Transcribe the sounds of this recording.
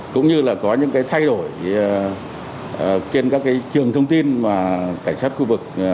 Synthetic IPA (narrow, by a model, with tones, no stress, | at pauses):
kʊ̰˧˥ŋ͡mɲɨ˧laː˨˩kɔ˨˦ɲɨ̰˧˥ŋkaː˨˦jt̪ʰa˧jɗo˧˩j | t͡ɕe˧nkaː˦˥kːaː˨˦jt͡ɕɨ˨˩əŋt̪ʰə˧wŋ͡mt̪i˧nmaː˨˩kaː˧˩ŋsaː˦˥t̚xu˧vɨ˨˩k̚